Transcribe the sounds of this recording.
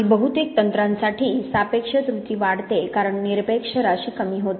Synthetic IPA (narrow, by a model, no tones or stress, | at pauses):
lbəɦut̪ek̚t̪ənt̪ɾãnsaʈʰiːsapekʂət̪ɾut̪iːʋaɽt̪ekaɾəɳniɾpekʂəɾaɕiːkəmiːɦot̪e